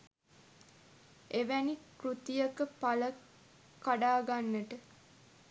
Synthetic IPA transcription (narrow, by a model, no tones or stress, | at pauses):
eʋænikrut̪ijəkəpalə | kaɖaːɡanːəʈə